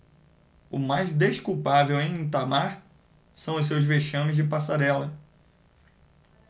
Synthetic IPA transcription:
ʊmajzd̪eʃkuwpavewẽj̃ĩt̪amaɾ | sɐ̃w̃ʊss̬ewzveʃɐ̃mʊzd͡ʒɪpasaɾɛlɐ

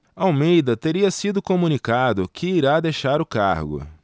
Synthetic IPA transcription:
ɐawmejd̪ɐt̪eɾiɐsid̪ʊkomunikad̪ʊkʰɪiɾad̪ejʃaɾʊkaɾɡʊ̰

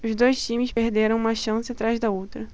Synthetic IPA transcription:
ʊzd̪ojʃt͡ʃĩmɪspehd̪eɾɐ̃w̃ũmɐʃɐ̃sɪat̪ɾajzd̪ɐowt̪ɾɐ

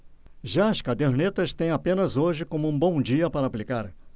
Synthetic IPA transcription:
ʒaɐskad̪eɾnet̪ɐst̪ẽj̃apẽnɐzoʒɪkõmʊũbõw̃d͡ʒiɐpaɾɐːplikaɾ

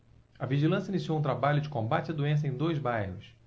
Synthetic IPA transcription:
ɐviʒilɐ̃sɐinisiowũt̪̬ɾabaʎʊd͡ʒɪkõmbat͡ʃɪɐd̪uẽs̬ɐẽj̃d̪ojzbajhʊs

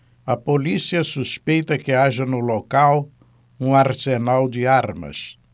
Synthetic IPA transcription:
ɐpolisiɐsuspejt̪ɐkɪaʒɐnʊlokaw | ũaɾsenawd͡ʒɪaɾmɐ̰s

